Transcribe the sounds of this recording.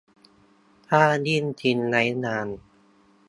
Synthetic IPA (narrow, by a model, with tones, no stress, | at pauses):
t̪ʰaː˥˩ni˥˩nt̪ʰi˧nːa˨˦˥jnaː˧n